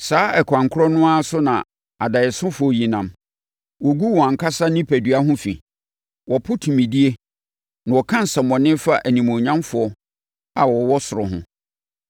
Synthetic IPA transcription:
saː˨˦ɛ˨kʰʷã˨ŋkʰʊ˦ɾɔ˦nʊ̃˦a˦sʊ˦nã̰˨ | a˨da˨ɪ˨sʊ̃˦fʊ˨ɔ˦ji˨nã˨m | wɔ˨ɡu˦wɔ˨a˨kʰa˦sa˦nɪ̃˦pʰæ˨dɥa˦ɦʊ̃˦fḭ˨ | wɔ˨pʰʊ˦tʰũ˨mĩ˨di˦e˦ | nã˨wɔ˨kʰã˦n̩˨sɛ˨mɔ̃˨nɪ̃˦fa˦ʔæ˨nĩ˨mɔ̃˨ɲã˦mfʊ˨ɔ˦ | a˨wɔ˨wɔ˦sʊ˨ɾʊ̰˨ɦʊ̰̃˦

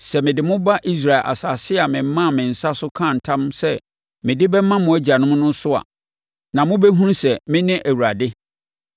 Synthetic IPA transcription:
sɛ˨mɪ̃˨dɪ˨mʊ̃˦ba˦ʔi˦s̬ɾa˨ɪ˨lʔa̰˨saː˨sɪ˦a˨mɪ̃˨m̩˦mã˦˨mɪ̃˨n̩˨sa˦sʊ˦kʰã˦˨n̩˨tʰã˦msɛ˦ | mɪ̃˨dɪ˦bɛ˦mã˦mʊ̃˨˦æ˦d͡ʑa˨nʊ̃˦m˦nʊ̃˦sʊ˦a̰˨ | nã˨mʊ̃˦bɛ˦ɦũ˦nsɛ˨mɪ̃˦nɪ̃˦ʔæ˨wu˨a˨dɪ˦

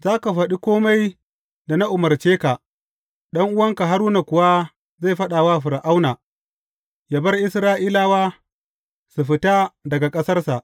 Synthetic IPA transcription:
zaː˦ka˨ɸɐ˨ɗi˦kʷoː˦ma˦j | da˨na˦ʔʊ˨mɐ˨rt͡ʃeː˦ka˨ | ɗɐ˦ŋʔʊ˦wɐ˦ŋka˨ɦa˦ɾuː˦na˨kʷʊ˨wa˦ | za˦˨jɸɐ˦ɗaː˨wa˦˨ɸɪ˨ɾa˨ʔa˦wnaː˨ | ja˨bɐ˦rʔɪ˦sɾaː˦ʔiː˦laː˦˨waː˦ | su˨ɸɪ˦ta˦dɐ˨ɡa˨kʼɐ˦sɐ˦rsa˨ʔ

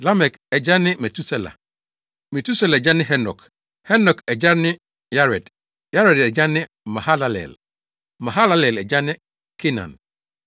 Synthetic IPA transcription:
la˦mɛ˨k | ɛ˨d͡ʑa˦nɪ̃˦mɛ˨tʰu˦sɛ˦la̰˨ | mɛ˨tʰu˦sɛ˦la˨d͡ʑa˦nɪ̃˦ɦɛ˦nɔ̰˨k | hɛ˦nɔ˨kɛ˨d͡ʑa˦nɪ̃˦ | ja˦ɾɛ˨d | ja˦ɾɛ˨dɛ˨d͡ʑa˦nɪ̃˦ | mã˨ha˦la˦lɛ̰˨l | mã˨ɦa˦la˦lɛ˨lɛ˨d͡ʑa˦nɪ̃˦ | kʰe˦nã̰˨n

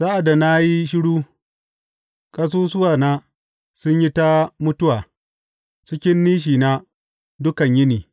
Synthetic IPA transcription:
sa˦ʔa˨da˨na˦ji˦ʃ̬ɪ˦ɽuː˦ | kʼɐ˦s̬uː˦sʊ˦waː˨naː˦ | sʊ˦ɲji˦ta˦mʊ˦tʊ˦waː˨ | t͡ʃɪ˦kʲɪ˦nːiː˦ʃ̬iː˨na˦ | dʊ˦kɐ˨ɲjɪ˦niː˨

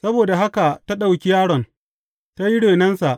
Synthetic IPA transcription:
sɐ˦boː˨da˨ɦa˦ka˨ta˦ɗa˨wkʲi˦jaː˦ɽɔ˨n | ta˦ji˦ɽeː˨nɐ˦nsa˨ʔ

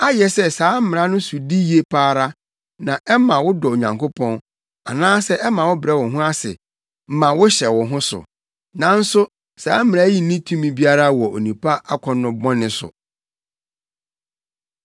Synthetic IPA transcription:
a˦jɛ˨sɛ˦saː˨˦m̩˦mɪ̃˨ɾa˦nʊ̃˦su˨di˦ji˨˦e˨pʰaː˦ɾa˦ | nã˨ʔɛ˦mã˨wʊ˦dɔ˨o˨ɲã̰˨ŋkʰo˦pʰɔ̃˦n | a˨nãː˦sɛ˦ʔɛ˦mã˨wʊ˦bɪ˨ɾɛ˦wɔ̃˨ɦʊ̃˦a˦sɪ̰˨ | m̩˦mã˨wʊ˦ɕɛ˨wɔ̃˨ɦʊ̃˦sʊ̰˨ | nã˨n̩˦sʊ˦ | saː˦m̩˦mɪ̃˨a˦ji˦nĩ˦tʰũ˦mĩ˨bi˦a˦ɾa˦wɔ˨o̰˨nĩ˨pʰa˦a˦kʷʰɔ˨nʊ̃˨bɔ̃˦nɪ̃˦sʊ̰˨

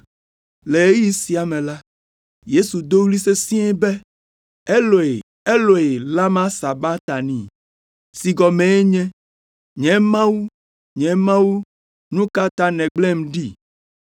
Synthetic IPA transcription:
le˨e˦ji˦si˨a˨mɛ̃˨la˦ | je˦su˨d̪o˦wli˦se˦sĩ˦ɛ˦bɛ˦ | e˦lo˨e˨ | e˦lo˨e˨la˦mã˦sa˨ba˦t̪a˨nĩ˨ | si˨ɡɔ˨mɛ̃˨e˦ɲɛ̃˦ | ɲɛ̃˨mã˦wu˦ | ɲɛ̃˨˦mã˦wu˦ | nũ˦ka˦t̪ã˦nɛ̃˨ɡ͡blɛ˦˨mɖi˦

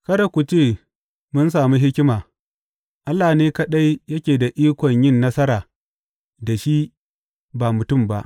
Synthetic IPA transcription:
kɐ˦da˨kʷu˨t͡ʃeː˦˨ | mʊ˦ns̬aː˨mi˦ɦɪ˦kʲɪ˦maː˨ | ʔa˦lːaː˨neː˦kɐ˦ɗa˦jjɐ˦kʲeː˨da˨ʔiː˦kʷɔ˨ɲjɪ˦˨nːɐ˦sɐ˦ɾaː˨ | da˨ʃi˦ | baː˨mʊ˨tʊ˦˨mba˦ʔ

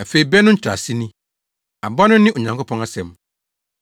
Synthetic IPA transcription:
a˨fe˨i˨bɛ˦nʊ̃˦ɲ̩˦t͡ɕʰᶣɾa̰˨si˦nĩ˦ | a̰˨bɔ˦nʊ̃˦nɪ̃˦ʔo˨ɲã˨ŋkʰo˦pʰɔ̃˦a˦sɛ̃˨m

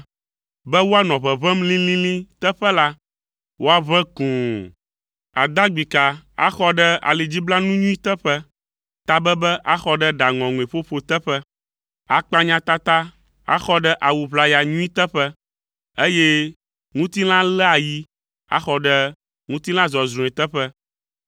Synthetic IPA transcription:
bɛ˦wo˦a˦nɔ̃˨βɛ˨βɛ˦mlĩ˦lĩ˦lĩ˦t̪ɛ˦ɸɛ˦la˦ | wo˦a˦βɛ̃˦kũ˨ | a̰˨d̪a˦ɡ͡bi˨ka˨a̰˦xɔ˦ɖɛ˦a̰˨le˨d͡ʑi˦bla˦nũ˦ɲũ˦i˦t̪ɛ˦ɸɛ˦ | t̪a˦bɛ˦bɛ˦ʔa˦xɔ˦ɖɛ˦ɖa˨ŋɔ̃˨ŋũ˨e˨ɸo˦ɸo˦t̪ɛ˦ɸɛ˦ | a˨k͡pa˦ɲã˦t̪a˦t̪a˦ | a̰˦xɔ˦ɖə˦ʔa˨wu˨βla˦ja˨ɲũ˦i˦t̪ə˦ɸɛ˦ | e˦je˦ | ŋũ˦t̪i˦lã˦lɛ˦a˨ji˦ | a̰˦xɔ˦ɖɛ˦ | ŋũ˦t̪i˦nã˦zɔ˨zɾũ˨ɛ˨t̪ə˦ɸə˦

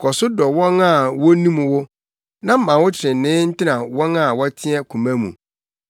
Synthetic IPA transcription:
kʰɔ˨sʊ˦dɔ˨wɔ̃˦ŋa˦˨wɔ˦nĩ˦m̃˨wʊ˦ | nã˦m̩˦mã˨wʊ˦t͡ɕʰɪ˨ɾɪ̃˨n˨nɪ̃ː˦n̩˦tʰɪ˦nã˨wɔ̃˦na˦˨wɔ˦tʰɪ̃˦ɛ˦kʰũ˨mã˦mṵ̃˨

